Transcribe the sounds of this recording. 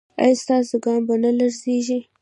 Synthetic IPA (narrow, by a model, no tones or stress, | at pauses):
a̰jst̪ɑs̬əɡɑmbanalaɾzeʒi